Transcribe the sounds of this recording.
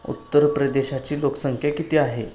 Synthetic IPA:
ṵt̪ːəɾpɾəd̪eɕat͡ɕiːlokə̥səŋkʰjakit̪iːaɦe

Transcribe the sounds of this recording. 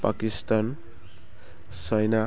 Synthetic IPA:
pakist̪an | sajna

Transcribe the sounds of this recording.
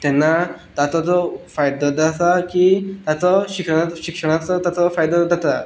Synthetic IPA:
t̪ɛnːat̪at͡sɔt͡sɔfajd̪ɔd͡z̪at̪akit̪at͡sɔɕikʂəɽ̃aɕikʂəɽ̃at͡sɔt̪at͡sɔfajd̪ɔd͡z̪at̪a

